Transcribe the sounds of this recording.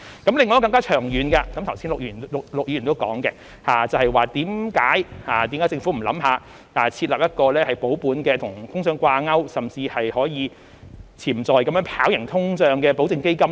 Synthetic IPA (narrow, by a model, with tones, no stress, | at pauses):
kɐ˨˥mleɪ˨ŋɔː˧jɔ˥kɐ˧ŋkaː˥t͡ʃʰœː˨˩ŋjyː˨˧nka˧kɐ˨˧mt̪ʰɐ˨˩wsi˥nlʊ˨k̚jlʊ˨k̚jiː˧˥yː˨˩nt̪o˥wkɔ̰ː˨˥ŋkɛː˧ | haː˨˩t͡sɐ˨whɐ˨jwaː˨˩t̪iː˨˥mkaː˨˥jhaː˨˩t̪iː˨˦kaː˨˥jt͡sɪ˧ŋfu˨˥m̩˨˩lɐ˨˧˥mhaː˨˧ | aː˨t͡sʰiː˧t̚lɐ˨p̚jɐ˥t̚kɔː˧lɛː˥hɐ˨jpo˨˥wpuː˨˧nkɛː˧t̪ʰʊ˨˩ŋt̪ʰʊ˥ŋsœː˨˥ŋkwaː˧ŋɐ˥wsɐ˨mt͡siː˨˧hɐ˨jhɔː˨˥jiː˨˧ | t͡sʰiː˨˩mt͡sɔː˨˩jkɐ˨˦mjœː˧˥ŋpʰaː˨˥wjɪ˨˩ŋt̪ʰʊ˥ŋt͡sœː˨˧ŋkɛː˧po˨˥wt͡sɪ˨˧ŋke˥jkɐ˥m